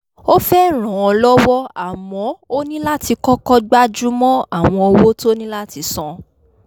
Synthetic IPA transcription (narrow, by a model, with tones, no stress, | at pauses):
o˦fɛ˦ɾ̃ã˨˦ɔ˧lɔ˦wɔ˦a˨mɔ̃˧˦o˦nĩ˦la˦ti˧kɔ˦kɔ˦ɡ͡ba˦d͡ʒu˦mɔ̃˦a˦˨w̃ɔ̃˧o˧wo˦to˦nĩ˦la˦ti˧sɔ̃˧